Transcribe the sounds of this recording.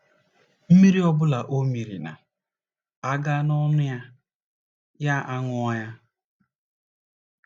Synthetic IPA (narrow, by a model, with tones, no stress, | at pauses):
m̩˦mi˦ɾi˦ɔ˦bʊ˦la˨ʔo˦mi˨ɾḭ˨na̰˨ | a˦ɡa˦nɔ˦nʊ˦ja˦ | ja˦ʔa˦ŋʊ˦ɔ˦ja˦